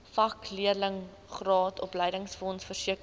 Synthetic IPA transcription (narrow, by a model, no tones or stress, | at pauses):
fɐkliələŋ | χrɑːtʰɔpləjdəŋsfɔnsfərsiək